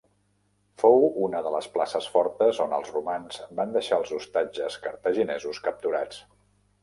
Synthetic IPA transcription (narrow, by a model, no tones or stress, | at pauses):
fowunəðələsplasəsfɔɾt̪əzonə̰lˠzrumanz̥band̪əʃaəlˠzust̪ad͡ʒəskəɾt̪əʒinɛzuskəp̚t̪uɾat͡s